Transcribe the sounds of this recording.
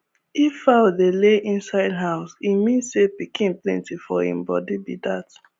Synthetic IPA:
ifadeleʔĩnsaɪdɦaʊsimĩnsepikʰĩnplɛ̰̃ntifɔhḭ̃mbɔ̰dedidat

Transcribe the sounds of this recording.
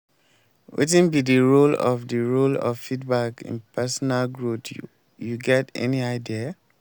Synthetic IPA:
wʔḛt̬ĩnbidiɹolɔ̰fdəɹolɔ̰ffidbakḭ̃npʰɛsɔnalɡɹot | juɡɛtɛ̰niaɪdia

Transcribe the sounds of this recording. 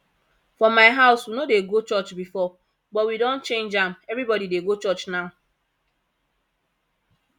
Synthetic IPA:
fɔmaɪɦaʊswunodeɡot͡ʃɔt͡ʃbifɔ | bɔwidɔ̃nt͡ʃẽnd͡ʒam̩evɾibɔdideɡot͡ʃɔt͡ʃnaʊ

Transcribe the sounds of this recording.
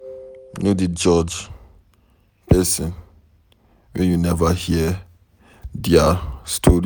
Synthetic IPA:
nodid͡ʒɔd͡ʒ | pɛsɔ̃n | wɛ̃njunɛvahiə | diastʰoɹi

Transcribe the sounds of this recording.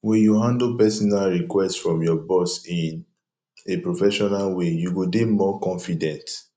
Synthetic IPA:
wɛ̃njuɦãndpɛsɔnalɹikwɛstfɹɔ̃mjɔbɔsĩn | epɹofɛʃɔnalwejuɡodemɔkɔ̃nfidɛ̃nt

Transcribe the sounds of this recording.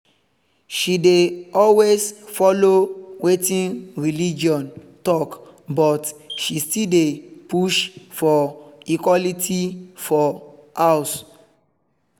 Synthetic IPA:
ʃideɔlwesfɔlowetĩnɹilid͡ʒɔ̃n | tɔk | bɔtʃistildepuʃfɔikwɔlitʰifɔaʊs

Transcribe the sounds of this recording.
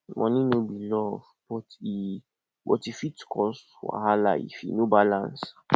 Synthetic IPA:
mʔɔ̃nĩnobilɔv | bɔti | bɔtifitkʰɔs | wa̰hala̰ḭfḭnobalãns

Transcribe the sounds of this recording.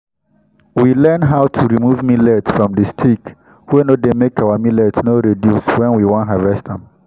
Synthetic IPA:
wilɛnɦaʊtʰuɹimuvmilɛtsfɹɔ̃mdɨstʰik | wenodemekawamilɛtsnoɾedjuswɛ̃nwiwɔ̃ntɦavɛstãm

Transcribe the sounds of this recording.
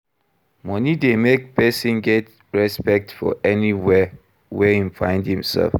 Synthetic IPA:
mɔnidemek̚pʰɛsĩnɡɛt | ɹɛspɛk̚tfɔ̰ʔɛniwɛ | wɛhĩnfãɪ̃ndhĩmsɛ̰lf

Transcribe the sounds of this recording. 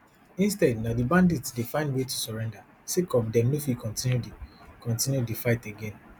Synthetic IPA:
ĩnstɛdnadibãnditsdefãɪ̃ndwetusɔɹɛ̃nda | sikɔ̃mdɛ̃mnofikʰɔ̃ntĩnjudikɔ̃ntĩnjudifaɪteɡɛ̃n

